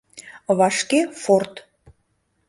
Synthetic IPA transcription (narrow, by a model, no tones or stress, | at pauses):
βɑʃkefort̪